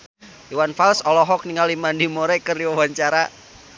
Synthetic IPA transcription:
iwanfalsɔlɔɦɔk̚niŋalimandimoɾɛkərdiwawaɲt͡ʃaɾa

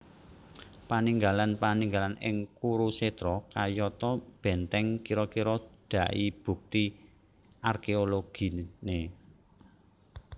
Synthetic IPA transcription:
paniŋɡalanpaniŋɡalanɪŋkuɾused̪ɾɔkajɔt̪ɔb̥ɛ̤nt̪ɛŋkiɾɔkiɾɔd̪̥a̤ʔib̥ṳk̚t̪i | arkeoloɡ̥i̤ne

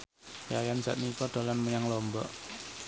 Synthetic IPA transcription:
jajanza̰ʔ̪̚nikɔd̪̥a̤lanmuɲaŋlɔmbɔʔ

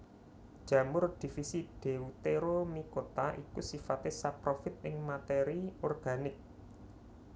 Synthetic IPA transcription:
d̥ʒ̥ä̤mʊrd̪̥i̤fisid̪̥e̤ut̪eɾomikot̪aʔikusifat̪ɪsapɾofɪt̪̚ɪŋmat̪eɾiɔrɡ̥a̤nɪk̚

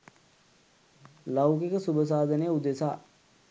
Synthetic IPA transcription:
lawkikəsubəs̬aːd̪ʱənəjəud̪esa̰ː

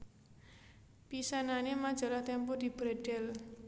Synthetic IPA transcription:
pisananemḁd͡ʒa̤laht̪ɛmpɔdi̤b̥ɾɛɖ̥ɛ̤l

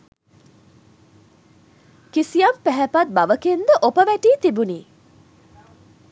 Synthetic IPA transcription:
kisijɐmpæɦæpat̪̚baʋəkend̪əʔopəʋæʈiːt̪ibuniː

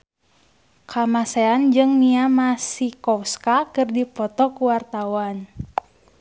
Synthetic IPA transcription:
kamasɛand͡ʒɨŋniamasikɔfskakɨrdipɔt̪ɔkuwart̪awan

